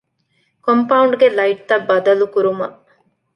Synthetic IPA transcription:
kompɐuɳɖɡelɐiʈ̚t̪ɐbːɐd̪ɐlukuɾumɐʔ

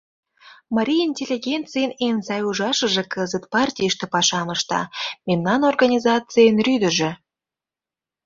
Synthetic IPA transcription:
mɑɾʲiinʲtʲelʲːiɣʲent͡sɨjənenzɑjuʒɑʃə̆ʒĕkəzət̪pɑrtʲijəʃt̪ĕpɑʃɑməʃt̪ɑ̰memnɑnorɣɑnʲizɑt͡sɨjenryd̪ə̆ʒĕ

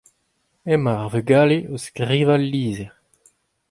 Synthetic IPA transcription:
ɛmaʁveɡaːleoskʁiːvalːiːzɛʁ

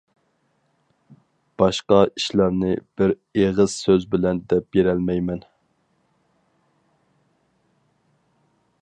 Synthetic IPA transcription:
b̥ɑʃqɑiʃlɑɾnɨb̥ɪɾ | eʁɨz̥søzbɪlɛnd̪ɛp̚jeɾɛlmɛjmɛn

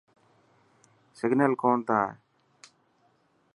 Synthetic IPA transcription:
sɛɡnɛlkɔnt̪a

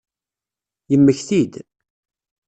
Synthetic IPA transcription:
jəmːəçθid̪

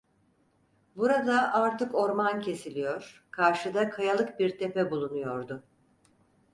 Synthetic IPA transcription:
buɾad̪aʔaɾt̪ɯko̞ɾmancʰe̞silʲijo̞ɾ̥kʰaɾʃɯd̪akʰajalˠɯk̚biɾt̪ʰepɛbulˠunujo̞ɾd̪ʊ

